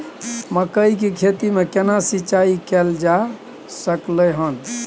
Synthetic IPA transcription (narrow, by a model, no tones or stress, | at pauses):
məkəik̬ekʰet̪imekenasit͡ʃaikɛld͡ʒa | səkləɦən